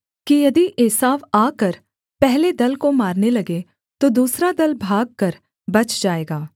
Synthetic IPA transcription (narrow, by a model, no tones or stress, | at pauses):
kijɐd̪iʔeːsaːʋaːkɐɾ | pɛɦled̪ɐlkomaːɾnelɐɡe | t̪od̪uːsɾad̪ɐlbʱaːɡ̚kɐɾ | bɐt͡ʃd͡ʒaːeːɡaː